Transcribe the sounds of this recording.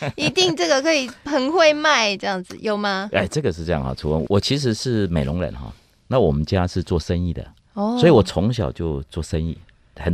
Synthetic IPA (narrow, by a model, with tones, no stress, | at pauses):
i˧˥t̪i˥˧ŋʈ͡ʂɤ˥˩ɡə˨˩kʰɤ˧˥i˨˩pʰə˧˥ŋxwe˥˧ɪma˥˩ɪʈ͡ʂɤ˥˧jɑ˥˩ŋd͡z̩˨˩jo˨˩ʊma˧a̰˥˩ɪʈ͡ʂɤ˥˩ɡə˨ʂɻ̩˥˧ʈ͡ʂɤ˥˧jɑ˥˩ŋxɑ̰˨˩ʈ͡ʂʰu˨˩wə̰˧˦nwʔɔ˨˩t͡ɕʰi˧˥ʂ̬ɻ̩˧˥ʂɻ̩˥˩me˨˩ɪlʊ˧˦ŋɻə̰˧˦nxɔ̰˨˦ | na˥˩wɔ˨˩mə˦nt͡ɕja˥ʂɻ̩˥˧t͡swɔ˥˨ʂə˦nḭ˥˩d̪ə̰˩ | ɔ˥˧wɔ˧˥i˨wɔ˨˩t͡sʰʊ˧˥˦ŋɕjɑ˨˩ʊt͡ɕjo˥˧ʊt͡swɔ˥˩ʂə˦nḭ˥˩ | xə˨˩n